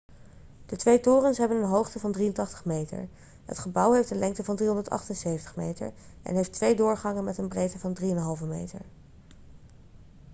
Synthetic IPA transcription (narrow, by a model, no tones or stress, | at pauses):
d̥ətʋejtʊːrənsɦɛbənənɦowχtəvɑndriəntɑχtə̥χmejtə̰ɹ | ɦə̰tχəbʌwɦejfdənlʔɛŋktəvɑndriɦɔ̃ndəɹtɑ̰χtənsejvəntə̥χmḛjtə̰ɹ | ʔɛ̰nɦejftʋejdʊːɹχɑŋənmɛtənbrejtəvɑndriənɦɑlˠvəmḛjtə̰ɹ